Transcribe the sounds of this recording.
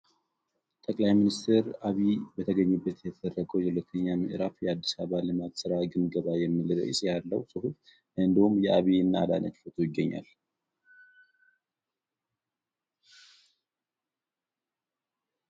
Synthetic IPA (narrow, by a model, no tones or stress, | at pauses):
t̪ʼəkʼlajminist̪ʰeɾaβibət̪ʰəɡəɲːubːət̪jɛt̪ʰəd̪ərːəkʼəwjɛhulət̪ʰːəɲːamḭʔɨɾafjɛad̪ːisaβalɨmat̪sɨɾaɡɨnɡəβajɛmːɨlɨɾə̰jsʼjalːəwsʼɨhuf | ʔɨnd̪ihumjɛʔaβiɨnːala̰nə̰t͡ʃfot̪ʰujɪɡːəɲːa̰l